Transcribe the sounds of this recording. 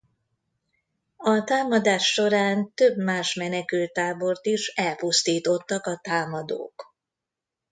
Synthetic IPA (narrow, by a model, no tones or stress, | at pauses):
ɒt̪aːmɒd̪aːʃːo̞ɾaːnt̪øbmaːʃmɛnɛkylt̪ːaːbo̞rt̪iʃɛlpust̪iːt̪o̞t̪ːɒkɒt̪aːmɒd̪o̰ːk